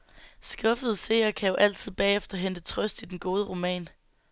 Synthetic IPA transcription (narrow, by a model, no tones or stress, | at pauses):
sɡ̥ɒ̽fəð̞ˠəse̝̰ːɐkʰæjo̝ʔæl̰t͡sʰið̞̰ˠb̥ɛ̰ːefd̥ɐɦend̥ət͡sʰʁœsd̥id̥enɡ̥o̝ːð̞ˠəʁo̝mɛ̰ːn